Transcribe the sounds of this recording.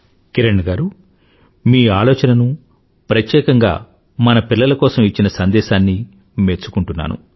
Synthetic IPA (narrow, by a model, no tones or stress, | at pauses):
kiɾɐɳɖɡaːɾu | miːaːlɔːt͡ʃɐnɐnu | pɾɐt̪jɛːkɐŋɡa̰ː | mɐnɐpilːɐlɐkɔːsɐmit͡ʃːinɐsɐnd̪ɛːʃaːnːi | meːt͡ʃu̥kuɳʈunːa̰ːnʔṵ